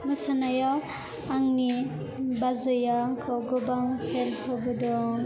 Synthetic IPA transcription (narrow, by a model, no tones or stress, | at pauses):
mɯsanaja | aŋni | bazɯjaŋkʰɔɡɔbaŋhelhɔbɯdɔɾɔŋ